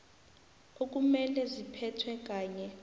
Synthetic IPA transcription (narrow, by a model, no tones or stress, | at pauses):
ok̬ʼumɛlɛzipʰɛtʰwɛk̬ʼaːɲɛ